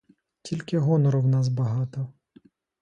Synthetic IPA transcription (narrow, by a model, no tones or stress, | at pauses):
tʲilʲkɪɦɔnɔɾɔwnɑs̬bɐɦɑt̪ɔ